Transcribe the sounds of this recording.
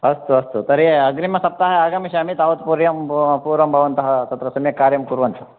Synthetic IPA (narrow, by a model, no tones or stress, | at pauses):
ɐst̪uɐst̪ut̪ɐɾeɐɡɾimɐsɐp̚t̪aɦɐaːɡɐmiʃaːmit̪aːʋɐt̪puɾjɐmpuːɾʋɐmbʱɐʋɐnt̪ɐɦɐt̪ɐt̪ɾɐsɐmjɐkːaːɾjɐmkuɾʋɐnt̪ɐ